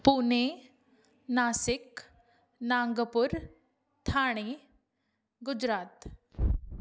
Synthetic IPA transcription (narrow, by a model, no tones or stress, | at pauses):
pune | nasɪk | naŋɡəpuɾ | t̪ʰaːɽ̃e | ɡʊd͡ʑɾaːt̪